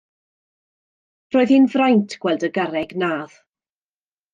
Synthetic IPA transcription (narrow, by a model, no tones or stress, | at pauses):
r̥oːɨðhinvrajntʰɡ̥wɛlˠdəɡaɾɛɡnaːð̥